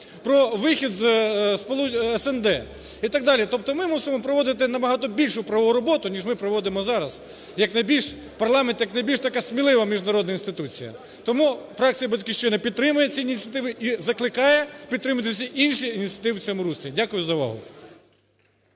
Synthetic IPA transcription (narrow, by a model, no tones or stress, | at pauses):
pɾɔʋɪxʲid̪zspɔlˠuɛsɛnd̪ɛ | it̪ɑɡ̚d̪ɑlʲit̪ɔp̚t̪ɔmɪmusɪmɔpɾɔʋɔd̪ɪt̪ɪnɐbɐɦɑt̪ɔbʲilʲʃʊpɾɐʋɔɦʊɾɔbɔt̪ʊnʲiʒmɪpɾɔʋɔd̪ɪmɔzɑɾɐz | jɐknɐjbʲilʲʃ | pɐrlˠɑment̪jɐknɐjbʲilʲʃt̪ɐkɑsʲmʲilˠɪʋɐmʲiʒd̪nɐɾɔd̪nɐinst̪ɪt̪ut͡sʲḭjɐ̰ | t̪ɔmufɾɑk̚t͡sʲijɐbɐtʲkɪʃt͡ʃɔnɛpʲid̪̚t̪ɾɪmʊjɛt͡sʲiinʲit̪t͡sʲjɐt̪ɪʋɪʔizɐklˠɪkɑjɛpʲid̪t̪ːɾɪmɐt̪̬ɪsʲɐʔinʃiːnʲit̪t͡sʲɐt̪ɪʋɪwt͡sʲɔmʊɾusʲlʲidʲakʊjʊzɐʋɑ̰ɦʊ̰